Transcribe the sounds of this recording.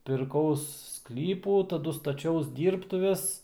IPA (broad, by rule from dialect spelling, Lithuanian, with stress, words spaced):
pʲɪrˈkɐʊs ˈsklʲiːpuː tɐˈdʊ stɐˈt͡ʃʲɛʊs ˈdʲiːrptʊʋʲɛs